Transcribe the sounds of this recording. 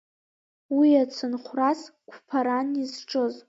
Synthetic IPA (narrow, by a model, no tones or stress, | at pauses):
wiat͡sʷʰɨnχʷraskʷʰpʰaɾanizʈ͡ʂʼɨz